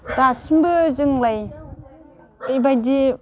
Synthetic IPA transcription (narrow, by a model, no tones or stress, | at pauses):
dasɯmbɯzɯŋlaj | bɯjbajdi